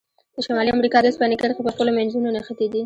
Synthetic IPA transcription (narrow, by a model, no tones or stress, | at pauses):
d̪̥əʃamɑliamɾikɑd̪əspanɪkaɾxepəxpəlomanzununaxət̪ed̪i